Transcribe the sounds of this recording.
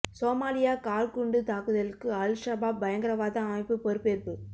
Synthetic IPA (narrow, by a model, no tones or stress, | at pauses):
soːmaːlɪjaːkaːlkʊɳɖɯt̪aːkɯðɐlɯkːɯɐlʂɐbaːbːɐjɐŋɡɐɾɐʋaːðɐ̃ɐmɐɪpːɯpɔɾɯpːeːɾpɯ